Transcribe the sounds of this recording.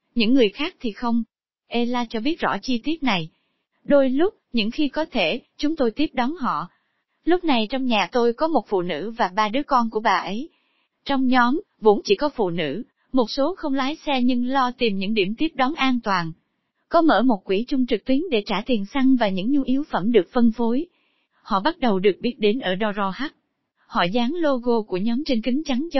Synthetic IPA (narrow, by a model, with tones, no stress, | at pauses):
ɲɨ̰˧˥ŋːɨ˨˩əjxaː˦˥k̚t̪ʰi˨˩xə˧wŋ͡m | ʔe˧laː˧t͡ɕɔ˧ɓi˦˥ət̚zɔ̰˧˥˩t͡ɕi˧t̪i˦˥ət̚na˨˩j | ɗo˧jlʊ˦˥k͡p̚ɲɨ̰˧˥ŋxi˧kɔ˨˦t̪ʰe˧˩t͡ɕʊ˨˦ŋ͡mt̪o˧jt̪i˦˥əp̚ɗɔ˨˦nɦɔ̰˧˨ | lʊ˦˥k͡p̚na˨˩jt͡ɕɔ˧wŋ͡mɲaː˨˩t̪o˧jkɔ˨˦mo˨˩t̚fṵ˧˨nɨ̰˧˥vaː˨˩ɓaː˧ɗɨ˨˦əkɔ˧nku˧˩əɓaː˨˩ʔə˨˦j | t͡ɕɔ˧wŋ͡mɲɔ˨˦m | vʊ̰˧˥nt͡ɕḭ˧˩kɔ˨˦fṵ˧˨nɨ̰˧˥ | mo˨˩t̚so˨˦xə˧wŋ͡mlaː˨˦jsɛ˧ɲɨ˧ŋlɔ˧t̪i˨˩mɲɨ̰˧˥ŋɗḭ˧˩əmt̪i˦˥əp̚ɗɔ˨˦nʔaː˧nt̪waː˨˩n | kɔ˨˦mə̰ː˧˩mo˨˩t̚kwi˧˩t͡ɕʊ˧ŋ͡mt͡ɕɨ˨˩k̚t̪wi˨˦ənɗe˧˩t͡ɕaː˧˩t̪i˨˩ənsa˧ŋvaː˨˩ɲɨ̰˧˥ŋɲu˧ʔi˨˦wfə˧˩mɗɨ˨˩ək̚fə˧nfo˨˦j | hɔ̰˧˨ɓa˦˥t̚ɗə˨˩wɗɨ˨˩ək̚ɓi˦˥ət̚ɗe˨˦nʔəː˧˩ɗɔ˧zɔ˧ha˦˥t̚ | hɔ̰˧˨zaː˨˦ŋlo˧ɣo˧ku˧˩əɲɔ˨˦mt͡ɕe˧nkï˨˦ŋ̟t͡ɕa˨˦ŋ˧